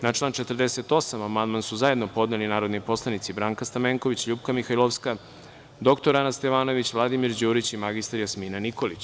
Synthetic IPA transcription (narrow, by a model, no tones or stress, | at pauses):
nat͡ʃlˠaːnt͡ʃet̪ər̩d̪eset̪o̞samamand̪mansuzaje̞d̪no̞po̞d̪nelinaːɾo̞d̪nipo̞slˠanit̪sibɾaːŋkast̪ameŋkoʋit͡ɕʎuːpkamixajlˠoʋska | d̪o̞kt̪oɾanast̪eʋaːno̞ʋit͡ɕʋlˠad̪imiɾd͡ʑuːɾit͡ɕimaɡist̪aɾjasminaniko̞lit͡ɕ